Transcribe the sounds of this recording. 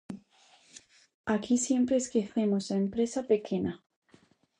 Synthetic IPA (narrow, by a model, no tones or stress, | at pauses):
akisje̞mpɾeːskeθe̞mosaempɾe̞sape̞kʰe̞na